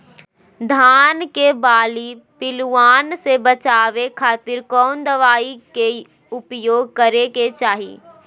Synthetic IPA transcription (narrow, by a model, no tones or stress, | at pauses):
d̪ʱaːnkebaːlipɪluaːnsebət͡ʃaːʋekʰaːt̪ɪɾkɔːnd̪əʋaːike | ʊpjoːɡ̚kəɾeket͡ʃaːɦḭː